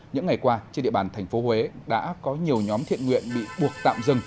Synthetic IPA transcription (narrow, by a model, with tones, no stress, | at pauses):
ɲɨ̰˧˥ŋːa˨˩jkwaː˧t͡ɕe˧nɗḭ˧˨ɓaː˧˨˩nt̪ʰɛ˨˩jŋ̟fo˨˦hwe˨˦ɗa̰ː˧˥kɔ˨˦ɲi˨˩əwɲɔ˨˦mt̪ʰḭ˧˨ənŋwḭ˧˨ənɓḭ˧˨ɓu˨˩ək̚t̪a̰ː˧˨mzɨ˨˧˩ŋ